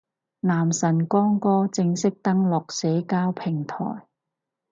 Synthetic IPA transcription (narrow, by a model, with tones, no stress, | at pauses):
naː˨˩msɐ˨˩nkɔː˥ŋkɔː˥t͡sɪ˧ŋsɪ˥k̚t̪ɐ˥ŋlɔː˨k̚sɛː˨˥kaː˥wpʰɪ˨˩ŋt̪ʰɔ̰ː˨˩j